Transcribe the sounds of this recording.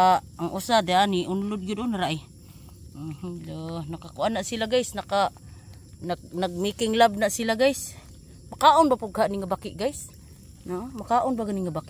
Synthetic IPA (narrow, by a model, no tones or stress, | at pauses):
a | aŋʔusad̪eaniʔʊnulʊd̪̚ɡid̪ʊnaɾaʔi | hlonakakuʔanːaʔsilaɡajsnaka | nanaɡ̚mikɪŋlab̚naʔsilaɡajs | makaʔʊnbapuɡhaʔniŋabakɪʔɡajs | noʔmakaʔʊnbaɡaniŋabakʔ